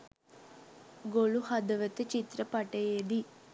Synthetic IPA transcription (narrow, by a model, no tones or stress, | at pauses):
ɡoɭuhɐd̪ɐʋɐt̪ɐt͡ʃit̪ɾɐpɐʈɐjed̪i